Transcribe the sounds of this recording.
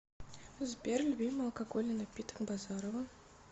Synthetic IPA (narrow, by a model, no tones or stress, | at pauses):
zbʲerlʲubʲimɨɐlˠkaɡolʲənɐpʲit̪ə̥kbazɑɾovə